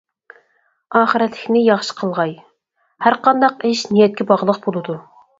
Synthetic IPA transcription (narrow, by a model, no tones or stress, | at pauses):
ɑːχəɾɛt̪ʰlɪkʲnɪjɑχʃə̥qʰəlˠʁɑj | hæɾqɑnd̪ɑqeʃnijɛt̪̚kʲɛbɑʁlˠəq̚bolˠɨd̪u